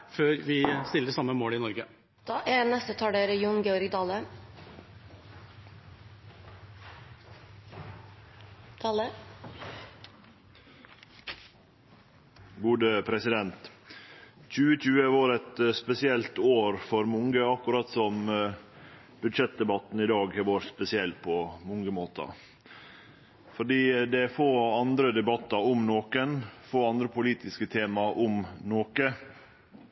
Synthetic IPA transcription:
føːɾʋɪst̪ɪləɾsɑmːəmoːlɪnɔɾɡə | d̪̥ɑːʔænɛst̪ət̪ʰɑːɖeɾəjuŋɡeːɔɾɡd̪ɑːlə | t̪ʰɑːlə | ɡuːd̪əpʰɾɛsɪd̪ɛnt̪ | c͡çʉːəc͡çʉːəʋɑɾɛt̪spɛsɪɛlt̪oːɾfɔɾmʊŋɡəɑkːʊɾɑt̪sɔm | b̥ʉd̪ʃɛt̪̚d̪ɛbɑt̪n̩ɪd̪ɑːɡʋoːɾspɛsɪɛlt̪̚pʰɔmʊŋɡəmoːt̪ʰɑ̰ | fɔɖiːd̪ɛfoːɑnd̪ɾəd̪ɛbɑt̪ːɑʊmnoːkənfoːɑnd̪ɾəpʊliːt̪ɪskət̪ʰeːmɑʔʊmnoːkə

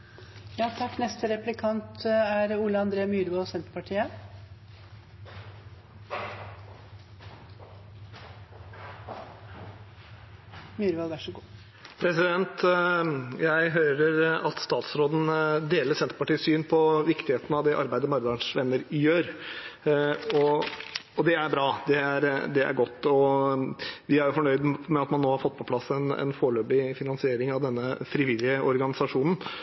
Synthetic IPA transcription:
jɑːt̪ʰɑkːnɛst̪əɾɛplɪkʰɑnt̪æɾuːləɑnd̪ɾeːmyːɾʋɑlsɛnt̪ə̥pɑʈʰiːə | myːɾʋɑlʋæʂəɡuː | pʰɾɛsɪd̪ɛnt̪ | jæɪɦøːɾəɾɑt̪st̪ɑːt̪sɾoːd̪n̩d̪eːləɾsɛnt̪ɾəpɑʈiːsyːnpʰɔʋɪkt̪ɪheːt̪n̩ɑʋd̪ɛʔɑ̰ɾbæɪd̪əmɑɾd̪ɑɳʂʋɛnːəɾjøːɾ | ɔ | ɔd̪ɛæɾbɾɑːd̪ɛæɾd̪ɛæ̰ɾɡɔt̪ːɔ | ʋɪæɾjʊfɔɳœʏd̪mɛɑt̪mɑnːoːhɑɾfɔt̪ːpʰɔpʰlɑsɛnɛ̰nfoːɭøːbɪfɪnɑnsɪeːɾɪŋɑʋd̪ɛnːəfɾɪʋɪlːɪəɔɾɡɑnɪsɑʂuːnən̩

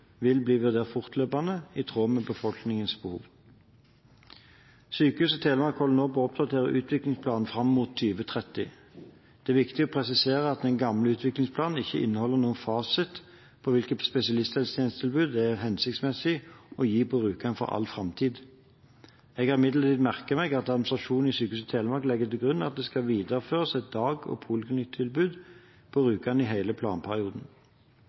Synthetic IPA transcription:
ʋɪlbliːʋʉʁd̪eːʁt̪fʊʁt̪ʰløːpɑnəɪt̪ʰʁoːmɛbəfɔlknɪŋənsbəhṵːʋ | syːkəhʉːsɔt̪ʰeːləmɑkʰɔlnoːbɔɔpd̪ɑt̪ʰeːʁəʔʉ̰ːt̪ʰʋɪklɪŋspʰlɑːnn̩fʁɑmːmuːt̪ʰːyːʋət̪ʰʁɛt̪ɪ̰ | d̪̥ɛæːʁʋɪkt̪ɪɔpʰʁɛsɪseːʁəɑt̪̚d̪ɛnɡɑmləʉːt̪ʰʋɪklɪŋspʰlɑːnn̩ɪçːəʔɪ̰nːəhɔlːəʁnuːənfɑːsət̪ | pʰɔʋɪlkət̪spɛsɪɑlɪst̪ɛlst̪jɛnst̪ʰɪlbʉːd̪ɛɦɛnsɪk̚t̪smɛsɪɔjiːpʰɔʁʉːkɑnfɔ̰ʁɑ̰lfʁɑmt̪ʰiːd̪ | ɛɡhɑːʁɪmɪd̪lət̪ʰiːd̪mæʁkəmɛɡɑt̪ɑd̪mɪn̩sʁɑʃuːnn̩ɪsyːkəhʉsɔt̪ʰeːləmɑʁklɛɡːət̪ɪlɡʁʉnːɑ̰t̪̚d̪ɛskɑʋiːd̪əʁəføːʁəsɛt̪̚d̪ɑːɡɔ̰pʰuːlɪkʰnɪt̪ʰːɪlbʉːd̪ | pʰɔʁʉːkɑnɪɦæɪləpʰlɑ̰ːnpʰæʁɪuːd̪n̩

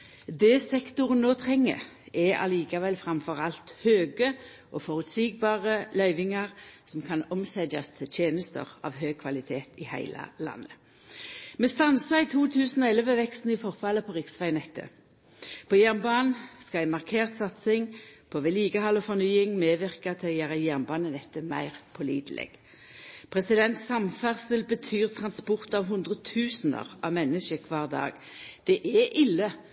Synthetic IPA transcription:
d̪ɛsɛkt̪ʊʁnnoːt̪ʰʁɛŋːə̰ʁɛɑ̰liːkɑʋɛlfʁɑmfɔʁɑlt̪høːɡə | ʔɔːfɔʁʉt̪siːɡ̚bɑːʁəlœʏʋɪŋɑʁsɔmkʰɑnɔmsɛd̪ɑst̪ʰɪlt̪ʰjeːnəst̪ə̰ʁɑ̰ːʋɦøːɡ̚kʰʋɑlɪt̪ʰeːt̪ɪhæ̰ɪlʔə̰lɑ̰nːə | mɛst̪ɑnsəɪt̪ʰuːt̪ʰʉːsnɔɛləʋəʋɛkst̪n̩ɪfɔʁfɑləpʰɔʁɪksʋæɪnɛt̪ʰːə̰ | pʰɔjæʁnbɑːnskɑæɪmɑʁkʰeːʁt̪sɑt̪sɪŋpʰoʋɛliːɡəhɑlɔfɔʁnyːɪŋmeːʋɪʁkɑt̪ʰljæːʁɑjæʁnbɑːnənɛt̪ːəmæ̰ɪʁpʰɔlḭːd̪lʔɛ̰ɡ̥ | pʰʁɛsɪd̪ɛnt̪sɑmfæʁsəlbət̪ʰyːʁt̪ʰʁɑnspɔʁt̪ɑʋɦʉnd̪ʁət̪ʰʉːsnə̰ʁʔɑ̰ʋmɛnəʃəkʰʋɑːʁd̪ɑ̰ːɡ | d̪̥ɛʔɛʔɪlːə

